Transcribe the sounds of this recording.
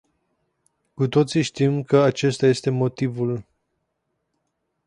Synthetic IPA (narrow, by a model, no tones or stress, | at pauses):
kut̪o̞t̪siʃt̪imkəat͡ʃe̞st̪aje̞st̪e̞mo̞t̪ivul